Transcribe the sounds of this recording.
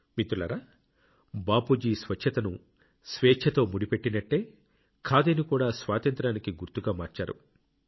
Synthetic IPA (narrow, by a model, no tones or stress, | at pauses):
mit̪ulɐ̰ɾa | baːpud͡ʒiːsʋɐt͡ʃʰːɐt̪ɐnu | sʋeːt͡ʃʰɐt̪o̞ːmuɽipe̞ʈːinɐʈːe̞ː | kʰaːd̪eːnikuːɽaːsʋaːt̪ɐnt̪ɾaːnikiɡuɾt̪uɡaːmaːɾt͡ʃa̰ːɾṵ